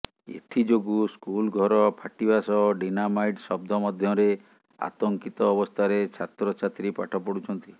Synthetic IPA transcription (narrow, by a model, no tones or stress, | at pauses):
ḛt̪ʰid͡ʒoɡuskulɡʱɔɾɔpʰaʈibasɔɖinamajʈsɔb̚d̪ʱɔmɔd̪ʱjɔɾe | a̰t̪ɔŋkit̪ɔːbɔst̪ʰaɾet͡ʃʰat̪ɾɔt͡ʃʰat̪ɾipa̰ʈʰɔpɔɽut͡ʃʰɔnt̪i